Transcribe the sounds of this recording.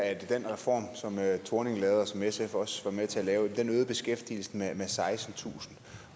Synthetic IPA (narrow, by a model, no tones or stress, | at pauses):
æd̥d̥enʁɛfɒ̰ːmsɒ̽møt͡sʰo̝ɐne̝ŋlɛːð̞ˠɐsɒ̽mesefɒ̽sʋɑ̈met͡sʰe̝ælɛːʊd̥enøːð̩ˠb̥e̝sɡ̥efd̥ḭl̩sn̩memesɑ̈ɪsn̩t͡sʰṵːsn̩